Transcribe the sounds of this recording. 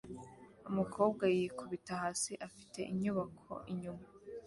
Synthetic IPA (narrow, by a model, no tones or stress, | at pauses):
umukʰo̞ːbɡajikʰuβitahaːsiʔafi̥tʰe̞̰ʔiɲuβakʰo̞̰ʔiɲuma